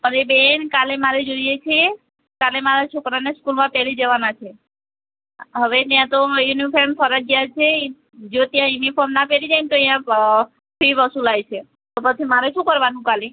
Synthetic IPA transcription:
pəɾebenkalemaɾed͡ʒoijet͡ʃʰie | kalemaɾat͡ʃʰokɾaneskulmãpeɾid͡ʒeʋanat͡ʃʰe | ɦəʋet̪jãt̪ojunifʰeɾmpʰəɾad͡ʒɡjat͡ʃʰe | d͡ʒot̪jãjunipʰɔɾmnapeɾid͡ʒajnt̪oĩjã | pʰiʋəsulajt͡ʃʰe | t̪opət͡ʃʰimaɾeʃũkəɾʋanũkale

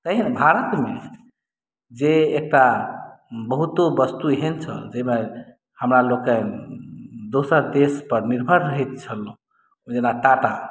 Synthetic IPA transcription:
t̪əɦinbʱaɾət̪me | d͡ʒeek̚ʈa | bəɦut̪obəst̪uɦent͡ʃʰə̰d͡ʒeme | həmɾaloke | d̪osəɾd̪espəɾniɾbʱəɾːəɦɛt̪̚t͡ʃʰəlõ | d͡ʒenaʈaʈa

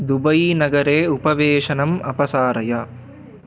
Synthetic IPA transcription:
d̪ubɐjnɐɡɐɾeːupɐʋeːʂɐnɐmɐpɐsaːɾɐjɐ

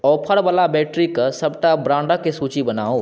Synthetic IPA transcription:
ɔːpʰəɽbalabɛːʈɾikəsəbʈabɾãːɳɖəkesuːt͡ʃibəna̰ːo

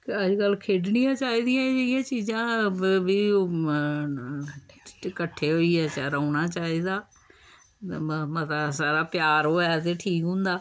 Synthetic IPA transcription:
kəd͡ʒkəlkʰeːɖnɪjãːt͡ʃaːiːd̪ɪjãːɪjãːt͡ʃiːzãːbiː | kəʈʰːeːɦoːiːɛːt͡ʃaɾaːʊnaːt͡ʃaːiːd̪aː | mət̪asaːɾaːpɪjaːɾɦoːɛːt̪eːʈʰiːkɦʊ̃ːnd̪aː

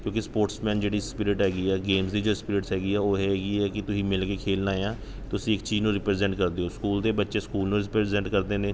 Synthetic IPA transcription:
kjõːkɪspoːɾʈsmɛ̃ːnd͡ʒeːɽiːspɪɾɪʈɦɛːɡiːɛːɡeːmsd̪iːd͡ʒoːspɪɾɪʈsɦɛːɡiːɛːoːɦɛːɡiːɛːkɪt̪ʊsĩːmɪlkeːkʰeːlnaːejãː | t̪ʊsĩːɪkt͡ʃiːznũːɾɪpɾeːzɛ̃ɳʈkəɾd̪eːoːskuːld̪eːbətːʃeːskuːlnũːɾɪpɾɛzɛ̃ɳʈkəɾd̪eːnẽː

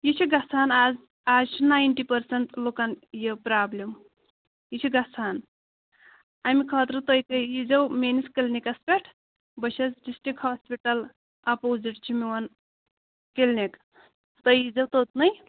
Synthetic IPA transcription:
jit͡ʃʰiɡɐt͡sʰaːnaz | aːzt͡ʃʰinaːjnʈipɐɾsɐɳt̪lokanjəpɾaːblʲem | jit͡ʃʰiɡɐt͡sʰaːn | aːmikʰɐːt̪ɾɐt̪ojkɐjid͡zɐwmeniskilnikɐspʲeʈʰ | bɐʃʰɐt͡sɖisʈikhaːspʲiʈɐl | ɐpoziʈt͡ʃʰimiwɐn | kelnʲek | t̪əjid͡zɐwt̪ot̪nɐj

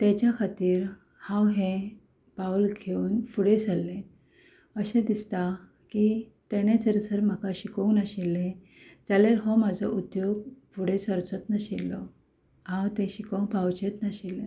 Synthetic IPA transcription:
t̪et͡ɕjakʰat̪iːɾ | hãwɦẽ | paulkʰeuːnfuɽed͡zalːẽ | əɕẽd̪ist̪a | kit̪eɽ̃ẽt͡səɾt͡səɾm̤əkaɕikəwnaɕilːẽ | d͡zaleɾɦɔmad͡zʱɔʔud̪joɡfuɽet͡səɾt͡sɔt̪naɕilːɔ | ɦãwt̪ẽɕikəwpawt͡ɕet̪naɕilẽ

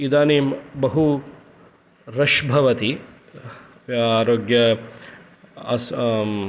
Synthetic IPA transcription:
id̪aːneːmbɐɦu | ɾɐʃbʱɐʋɐt̪i | aːɾoːɡjɐ | ɐs

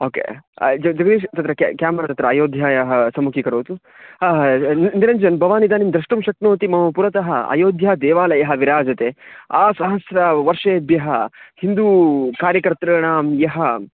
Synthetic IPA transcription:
oːkḛːd͡ʒɐd͡ʒɐɡɐd̪iːʃt̪ɐt̪ɾɐkkjaːmɐɾɐt̪ɐt̪ɾɐːjoːd̪ʱjaːjɐɦɐsɐmukʰikɐɾoːt̪u | nnd̪iɾɐnd͡ʒɐnbɐʋaːnid̪aːnimd̪ɾɐʂʈɐmʃɐknoːt̪imɐɦɐːpuɾɐt̪ɐɦɐ̰ɐ̰joːd̪ʱjad̪eːʋaːlɐjɐɦɐʋiɾaːd͡ʒɐt̪eːaːsɐɦɐsɾɐʋɐɾʂeːbjɐɦɐhind̪uːkaːɾjɐkɐɾt̪ɾɐːɳaːmjɐɦɐ

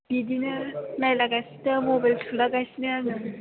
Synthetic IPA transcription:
b̥idinɯnajlaɡajsitamobajltʰulaɡajsinɯanɯ

